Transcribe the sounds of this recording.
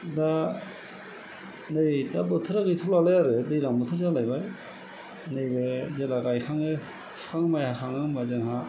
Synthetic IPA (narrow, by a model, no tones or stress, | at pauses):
da | nejtʰabɯtʰɯɾaɡɯtʰulalajaɾɯdɯjɾaŋbɯtʰɯɾzalajbaj | nejbezelaɡajxʰaŋɯ | skʰaŋmajhaxʰaŋɯmazɯŋɦa